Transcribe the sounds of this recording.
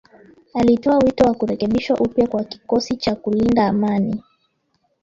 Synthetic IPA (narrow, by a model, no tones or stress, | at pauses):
alitɔawitɔwakuɾɛkɛɓiʃwaʔupjakwaki̥kɔsit͡ʃakulindaːmani